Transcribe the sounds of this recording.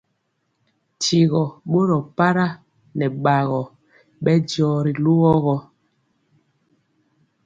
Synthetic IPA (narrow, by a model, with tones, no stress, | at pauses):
ti˨ɣɔ˨ɓo˦ɾɔ˨pa˦ɾa˦ | nɛ˨ɓa˨ɣɔ˨ | ɓɛ˦dɔː˨ɾi˨lu˦ɣɔ˦ɣɔ˦